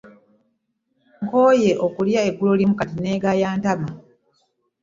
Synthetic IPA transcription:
ŋkoːje̞ʔokuljae̞ɡːulolimukatine̞ːɡajaːntama

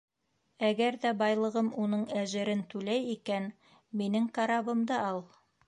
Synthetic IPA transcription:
æɡæɾðæbɑjlˠɤ̆ʁɤmunɤɴæʒɘ̆ɾɘnt̪ʉlæjikæn | minɘŋkaɾaβbɤ̆md̪ɑɑlˠ

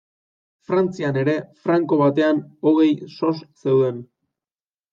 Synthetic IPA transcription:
fɾant͡siane̞ɾe̞fɾaŋko̞βat̪e̞ano̞ɣ̞e̞jso̞sse̞wðe̞n

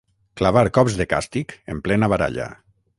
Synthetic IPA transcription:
klaβaɾkɔpzðeka̰st̪ikemplɛnaβaɾa̰ʎa̰

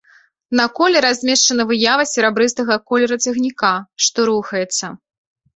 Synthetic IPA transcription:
nɐkɔlʲɛɾazʲmʲeʂt͡ʂɐnɐvɨjavɐsʲɛɾɛbɾɨst̪ɐɣɐkɔlʲɛɾɐt͡sʲɐɣnʲikaʂt̪ɔɾuxɐjɛt̪sːɐ

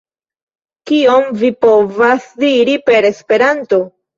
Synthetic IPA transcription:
kio̞mvipo̞vasdiɾipe̞ɾe̞spe̞ɾanto̞

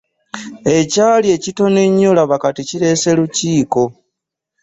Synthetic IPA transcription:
e̞caːlie̞cito̞neɲːolaβakaticiɾe̞se̞luciːko̞

